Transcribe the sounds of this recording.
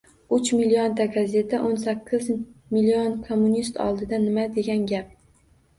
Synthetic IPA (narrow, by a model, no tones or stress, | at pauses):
ʊt͡ʃmiliont̪aɡaze̞t̪ʰaʔonsakʲʰːɪzmilionkʰomːunist̪ʰɒ̰lˠd̪ɪd̪anɪmad̪e̞ɡʲanɡʲap̚